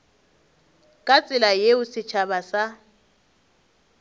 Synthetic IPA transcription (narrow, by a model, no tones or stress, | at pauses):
kʼat͡sʼɪlajeʊsɪt͡ʃʰabasa